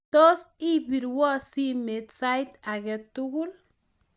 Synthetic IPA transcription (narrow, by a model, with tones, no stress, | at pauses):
t̪o˦si˦bi˨ɾwɔ˦si˦me˨t̪sajt̪a˨ɡɛ˦t̪uɡu˦l